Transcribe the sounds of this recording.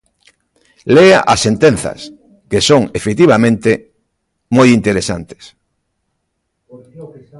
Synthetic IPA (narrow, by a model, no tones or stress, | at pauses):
leaʔasːent̪enθɐ̰s | kesoŋefekt̪iβamẽnt̪e | mojint̪eɾesa̰nt̪e̥s